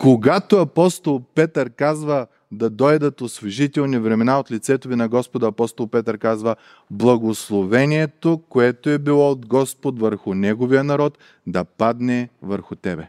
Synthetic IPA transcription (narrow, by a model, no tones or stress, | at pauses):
koɡat̪oɐpɔst̪olˠpɛt̪əɾkazvə | d̪ɐd̪ɔjd̪ət̪osveʒit̪ɛlˠnivɾɛmɛnaot̪lit̪sɛt̪ovinɐɡɔspod̪ɐːpɔst̪olˠpɛt̪əɾkazvə | blˠɐɡoslˠovɛnʲiɛt̪okoɛt̪oɛbilˠɔod̪ɡɔspot̪vəɾxʊnɛɡovijənɐɾɔt̪ | d̪ɐpad̪nɛvəɾxʊt̪ɛbɛ̰